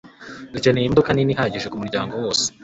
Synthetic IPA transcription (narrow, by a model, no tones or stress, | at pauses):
ɡucenejimbokaniniɦaɟiʒekumuɾɟa̰ːŋɡo̞wo̞ːse̥